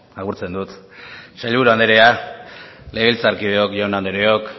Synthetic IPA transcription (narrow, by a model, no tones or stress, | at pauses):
aɣuɾt͡se̞nd̪ut̪saʎβuɾand̪eɾe̞a | leɣilt͡saɾkið̞eo̞kʝawnand̪eɾe̞o̞k